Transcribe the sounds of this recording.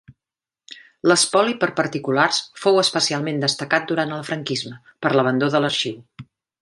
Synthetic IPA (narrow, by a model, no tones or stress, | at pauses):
ləspɔlipəɾpəɾt̪ikularsfowəspəsialˠmend̪əst̪əkat̪̚d̪uɾant̪əlˠfɾəŋkizmə | pəɾləβənd̪oðələɾʃiw